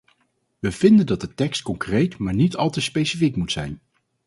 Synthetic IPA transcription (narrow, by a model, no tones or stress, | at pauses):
ʋəv̥ɪndəndɑt̚dətɛkst̚kɔŋkrejtmaːɹnitɑlˠtəspejsifikmutsɛ̰jn